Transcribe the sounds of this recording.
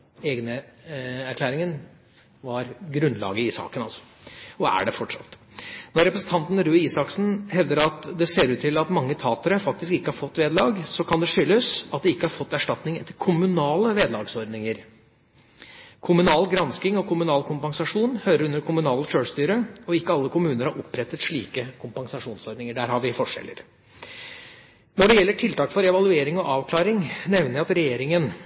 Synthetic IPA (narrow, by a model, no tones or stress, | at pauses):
eːɡnə | æɾkʰlæːɾɪŋən | ʋɑɾɡɾʉnd̪lɑ̰ːɡəɪsɑ̰ːkənɑ̰lsɔ̥ | ɔæ̰ɖɛfɔʈʂɑ̰t̪ːnɔɾɛpɾəsn̩t̪ɑnt̪n̩ɾʉːiːsɑksn̩hɛʋd̪əɾɑt̪d̪ɛseːɾʉːt̪ʰːɪlɑt̪mɑŋːət̪ʰɑːt̪əɾəfɑk̚t̪ɪskɪkːəhɑɾfɔt̪ːʋeːd̪lɑːɡsɔkʰɑnd̪ɛʂʏlːəsɑt̪̚d̪ɛɪkːəhɑɾfɔt̪ːæʂʈɑt̪nɪŋɛt̪ːəɾkʰʊmʉnɑːləʋeːd̪lɑːɡsɔɾɖ̪nɪŋəɾ | kʰʊmʉnɑːlɡɾɑnskɪŋɔkʰʊmʉnɑːlkʰʊmpɑŋsɑʂuːnhøːɾəɾʉnːəɾkʰʊmʉnɑːləʃøːst̪yːɾəɔɪkːəɑlːəkʰʊmʉːnəɾhɑɾʊpːɾɛt̪ːət̪ʂɭiːkəkʰʊmpɑŋsɑʂuːnsɔɾɖ̪nɪŋəɖæːɾhɑʋɪfɔʂɛ̰lːə̰ɾ | nɔɖɛjɛlːəʈʰɪlt̪ɑːkfɔɾɛʋɑlʉeːɾɪŋɔʔɑːʋkʰlɑːɾɪŋnɛʋnəɪɑt̪ɾɛjeːɾɪŋən